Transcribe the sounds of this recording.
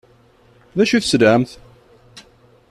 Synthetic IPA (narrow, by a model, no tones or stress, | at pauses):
ðæʃuθsd̪ʕəmθ